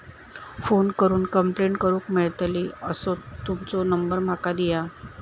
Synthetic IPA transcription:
fonkəɾuːnkəmpleɳʈkəɾũːkmeɭt̪liəsot̪umt͡sɔnəmbəɾm̤akad̪ija

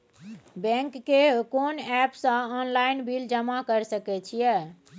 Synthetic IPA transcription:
bɛ̃ŋkːekonɛpsə̃ɔnlainbʱild͡ʒəmakəɾsəkɛt͡ʃʰijɛ

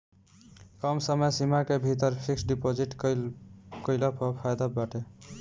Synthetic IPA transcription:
kɔmsəməjsimakebʱit̪əɾpʰiksɖipod͡ʒiʈk | kəɪlapɔpʰajd̪abaʈe

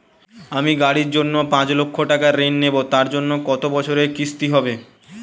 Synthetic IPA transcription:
amiɡaɽiɾd͡ʑonːopãt͡ɕlokʰːoʈakaɾenːebot̪aɾd͡ʑonːokɔt̪obɔt͡ɕʰoɾekist̪iɦɔbe

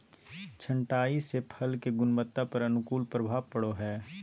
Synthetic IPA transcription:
t͡ʃʰɐ̃ɳʈaːisepʰɐlkeɡʊnmət̪ːapɐɾɐnʊkuːlpɾəbʱaːʋpɐɽoɦɛː

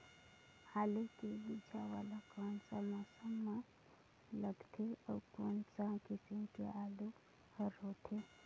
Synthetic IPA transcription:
haːlekebɪd͡ʒawa̰ːlakoːnsamɔːsəmːa | ləɡt̪ʰeɔ̰ːɾkoːnsakɪsĩkeaːlu | həɾɦoːt̪ʰe

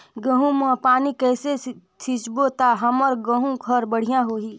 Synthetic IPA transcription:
ɡəɦũmãpaːnikɛːsesʰit͡ʃbot̪aɦɐmɔɾɡə̃ɦũɡʱəɾbəɽ̤ijãɦoːɦiː

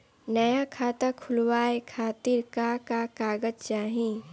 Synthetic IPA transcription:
nəjakʰaːt̪akʰʊlwaːekʰaːt̪iɾkakakaːɡəd͡ʒt͡ʃaːɦĩ

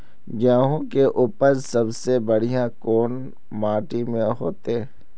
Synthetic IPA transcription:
ɡjaːɦõkeʔuːpəɾsɐbsebɐɽ̤ijãkoːn | maːʈimẽɦoːt̪e

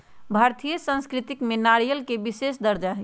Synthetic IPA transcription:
bʱaɾt̪ʰijəsə̃nskɾit̪ikmenaɾijəlkebisesd̪əɾd͡ʒaɦɛ

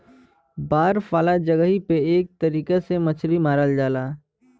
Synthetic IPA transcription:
baːɾfaːlad͡ʒəɡəɦipeeːk̚t̪ɐɾiːkesemət͡ʃʰɾimaːɾəld͡ʒaːlaː

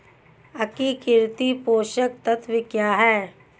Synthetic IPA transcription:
ɐkikɪɾt̪ipoːʃək̚t̪ɐt̪ʰʋɪkjaːɦɛː

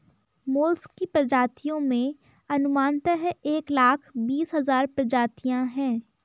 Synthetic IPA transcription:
moːlskːipɾɐd͡ʒaːt̪ijõmẽ | ɐnʊmaːnt̪əɦeːklaːkʰbiːsɦɐzaːɾpɾɐd͡ʒaːt̪ijãɦɛ̃ː

